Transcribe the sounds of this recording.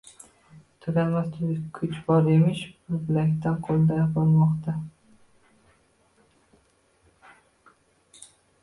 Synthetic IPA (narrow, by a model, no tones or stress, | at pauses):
t̪ʰʊɡʲalmast̪ʰkʲʰʊt͡ʃbɒɾemɪʃbɪɾbɪlakʲt̪anqʰolˠd̪ajɑpɒlˠmɒqt̪ʰa